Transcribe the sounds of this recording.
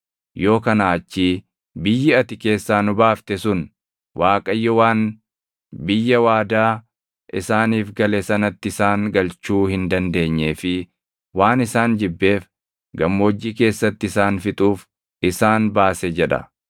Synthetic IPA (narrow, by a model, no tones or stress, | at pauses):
jo̞ːkɐnaːɐt͡ʃːiː | bɪjːɪɐt̪ɪke̞ːsːaːnʊbaːft̪ɛsʊn | wʔaːkʼɐjːɔwaːn | bɪjːɐwaːd̪aː | ʔɪsaːniːfɡɐlesɐnɐt̪ːɪɪsaːŋɡɐlt͡ʃuːhɪnd̪ɐnd̪e̞ːɲːe̞ːfɪ | waːnɪsaːnd͡ʒɪbːe̞ːf | ɡɐmːoɔd͡ʒːiːke̞ːsːɐt̪ːɪɪsaːnfɪt̪ʼuːf | ɪsaːnbaːsɛd͡ʒɛᶑɐ̰